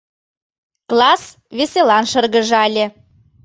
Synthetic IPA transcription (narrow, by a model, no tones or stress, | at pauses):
klˠɑs | veselɑnʃɤ̆rɣə̆ʒɑlʲe